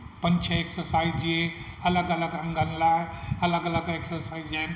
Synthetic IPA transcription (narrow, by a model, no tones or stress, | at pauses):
pənt͡ʃʰɐeksəɾsajd͡ʒie | ɐləɡələɡə̃ŋɡanlaɐləɡələɡeksəɾsajd͡ʒen